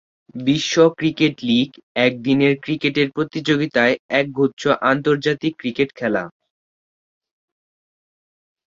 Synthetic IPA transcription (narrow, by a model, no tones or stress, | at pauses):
biʃːokɾikeʈliɡɛk̚d̪ineɾkɾikeʈeɾpɾot̪id͡ʑoɡit̪aeɛk̚ɡʱut̪ːɕʰoʔant̪oɾd͡ʑat̪ikːɾikeʈkʰɛla̰